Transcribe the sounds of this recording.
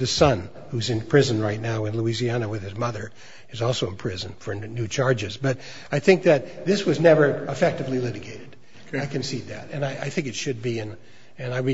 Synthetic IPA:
ðɨsʌ̃n | huzɨ̃npʰɹ̥ɪzɨ̃nɹaɪtⁿnaʊɨ̃nluiziænɨwɨð̥ɨzmʌðə˞ | ɨzɔlˠsoʊə̃npʰɹ̥ɪzɨ̃nfə˞nʉt͡ʃʰɑɹd͡ʒɨzbʌɾ | aɪθɪ̃ŋk̚ðɨt̪̚ðɪswʌznɛvə˞əfɛk̚tɨvlilɪɾɨɡeɪɾɨd | aɪkʰɨ̃nsid̪̚ðɨ̰ɾɨ̃naɪʔaɪθɪ̃ŋkɨtʃɨd̚biɨ̃n | ɨ̃naɪwɨ

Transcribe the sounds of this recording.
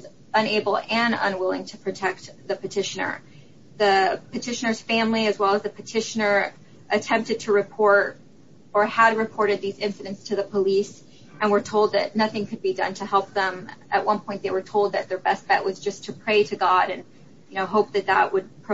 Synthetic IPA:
z | ə̃neɪbl̩ˠɨ̃nə̰̃nwɪlˠɪ̃ŋtʰɨ̥pʰɹ̥ɨtʰɛk̚t̪̚ðɨpɨtʰɪʃɨnə̰˞ | ðɨpɨtʰɪʃɨ̃nə˞z̥fæ̃mliɨzwɛlˠəzðɨpʰɨtʰɪʃɨnə˞ | ʔɨtʰɛ̃mp̚tɨd̚tʰɨɹɨpʰɔɹɾ | ə˞əd̚ɹɨpʰɔɹɾɨd̪̚ðizɪ̃nsɨɾɨ̃ntstʰɨðəpʰəlis | ʔɨ̃nwə˞tʰoʊlˠd̪̚ðɨ̰tⁿnʌθɪ̃ŋkʰɨd̚bidʌ̰̃ntʰɨhɛlˠp̚ðə̃mʔɨ̰ʔ̚wʌ̃npʰɔ̃ɪ̃n̚ðeɪwə˞tʰoʊlˠd̪̚ðɨt̪̚ðə˞bɛst̚b̥ɛ̰ʔwʔʌzd͡ʒʌstʰɨpʰɹ̥eɪɾɨɡɑɾɨ̃n | jɨnoʊɦoʊp̚ðɨt̪̚ðə̰ʔ̚wəd̚pʰɹ

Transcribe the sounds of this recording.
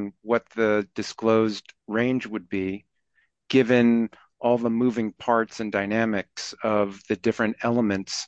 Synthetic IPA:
nwʌt̪̚ðɨdɨskloʊzdɹẽɪ̃nd͡ʒwɨd̚bi | ɡ̥ɪvɨ̃n | ʔɔlˠðəmuvɪ̃ŋpʰɑɹtsɨ̃ndaɪnæmɨksʌvðɨdɪfɹɨ̃ntɛlˠəmɨ̃nts

